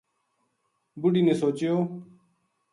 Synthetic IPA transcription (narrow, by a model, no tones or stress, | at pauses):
bʊɖiːnẽːsoːt͡ʃjoː